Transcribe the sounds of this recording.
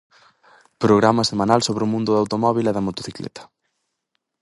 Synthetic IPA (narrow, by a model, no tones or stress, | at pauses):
pɾoɣ̞ɾamɐsemãnalsoβɾɪʊmũnd̪ʊðawt̪omɔβ̞ilɛðɐmot̪oθiklɛ̰t̪ɐ̥